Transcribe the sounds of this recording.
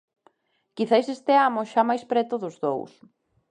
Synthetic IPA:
kiθajsest̪ɪamʊʃamajspɾɛt̪ʊðʊzðo̰ws

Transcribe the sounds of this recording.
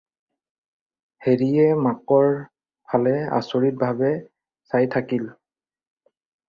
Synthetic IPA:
heɹiɛmakɔɹ | pʰalɛa̰soɹit̚bʱabɛ | sajtʰakil

